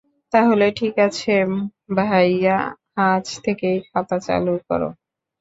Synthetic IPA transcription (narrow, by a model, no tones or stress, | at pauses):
t̪aɦoleʈʰikat͡ɕʰebʱajahat͡ɕt̪ʰekejkʰat̪at͡ɕa̰lukɔ̰ɾo̰